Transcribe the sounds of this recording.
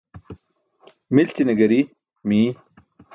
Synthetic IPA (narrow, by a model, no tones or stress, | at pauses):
milt͡ɕinɐɡɐɾi | miː